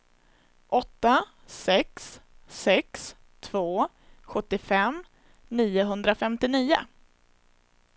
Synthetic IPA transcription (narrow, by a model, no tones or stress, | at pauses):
ʔɔt̪ːa | sɛksɛks | t̪ʰvoː | ɧɵt̪ːɪfɛm | niːʊɦɵnd̪ɾafɛmt̪ɪniːʊ̰